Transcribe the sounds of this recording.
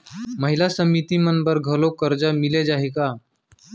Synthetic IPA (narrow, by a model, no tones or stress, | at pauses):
məɦilasəmit̪imənbəɾɡʱəlokəɾd͡ʒamiled͡ʑaɦeka